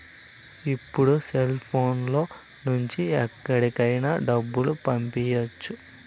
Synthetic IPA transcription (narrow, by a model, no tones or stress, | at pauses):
ipːuɽuselpʰo̞ːnlo̞ː | nuɲt͡ʃiɛkːɐɽikɐjnaːɖɐbːulupɐmpijot͡ʃːu